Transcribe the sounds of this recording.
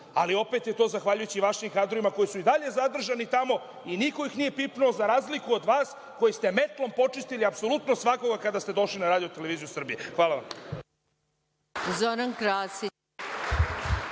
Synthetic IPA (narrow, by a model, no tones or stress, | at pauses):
alio̞pe̞t̪jet̪o̞ːzaxʋaʎujut͡ɕiʋaʃimkaːd̪ɾoimako̞jisuid̪aʎe̞zad̪r̩ʒanit̪amo̞ | iniko̞jixnije̞pipnuozaɾaːzlikuo̞d̪ʋaːs | ko̞jist̪e̞me̞t̪lˠo̞mpo̞t͡ʂist̪iliapso̞lut̪nosʋako̞ɡakad̪ast̪e̞d̪o̞ʃlinaɾaːd̪ijot̪ele̞ʋiːzijusr̩bijexʋaːlaʋam | zoɾankɾaːsi